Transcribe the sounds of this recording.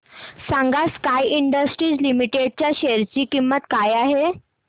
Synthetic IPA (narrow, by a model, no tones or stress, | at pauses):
sãŋɡaskajiɳɖəsʈɾiːd͡zlimiʈeɽ̚t͡ɕjaɕeɾt͡ɕiːkimːət̪kajaɦe